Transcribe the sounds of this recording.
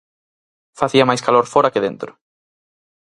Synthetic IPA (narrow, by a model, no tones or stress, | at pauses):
faθiɐmajskaloɾfoɾɐkeðẽnt̪ɾʊ